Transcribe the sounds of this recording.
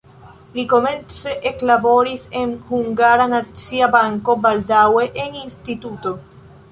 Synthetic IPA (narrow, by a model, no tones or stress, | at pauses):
liko̞mẽ̞nt͡seʔeklabo̞ɾisenhuŋɡaɾanat͡siabaŋko̞bald̪awe̞ʔeŋinst̪it̪ut̪o̞